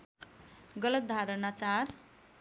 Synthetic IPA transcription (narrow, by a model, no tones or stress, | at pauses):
ɡʌlʌt̪̚d̪ʱaɾənat͡sar